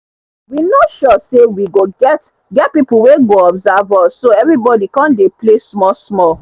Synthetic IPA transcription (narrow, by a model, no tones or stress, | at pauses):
winoʃɔsewiɡoɡɛt | ɡɛt̚pipuweɡoɔbzavɔsːoɛvɹibɔdikãndeplesmɔsmɔl